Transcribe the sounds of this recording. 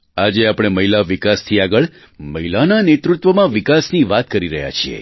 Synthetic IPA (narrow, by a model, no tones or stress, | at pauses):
ad͡ʒeapɽ̃eməɦilaʋikast̪ʰiaɡəɭ | məɦilananet̪ɾut̪ʋəmãʋikasniʋat̪kəɾiɾəɦja̰t͡ʃʰiḛ